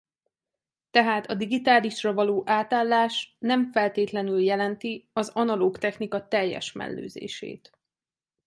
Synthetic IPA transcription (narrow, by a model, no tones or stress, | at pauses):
t̪ɛɦaːt̪ʰɒd̪iɡit̪aːliʃrɒvɒloːʔaːt̪aːlːaːʃnɛɱfɛlt̪eːt̪lɛnyljɛlɛnt̪iɒzɒnɒloːkt̪ɛxnikɒt̪ɛjːɛ̰ʃmɛ̰lːø̰ːzḛːʃḛːt̪